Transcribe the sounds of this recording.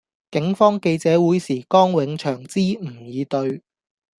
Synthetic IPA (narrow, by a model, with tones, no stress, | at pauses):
kɪ˨˥ŋfɔː˥ŋke˧jt͡sɛː˨˥wuː˨˥jsiː˨˩kɔː˥ŋwɪ˨˧ŋt͡ʃʰœː˨˩ŋt͡siː˥m̩˨˩jiː˨˧t̪ɵ˧ɥ